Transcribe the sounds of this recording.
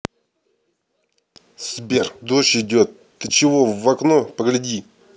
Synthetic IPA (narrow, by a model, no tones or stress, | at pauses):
sbʲerd̪oʃɪdʲot̪̚ | t̪ɨt͡ɕɪvovɐknopəɡlʲɪdʲi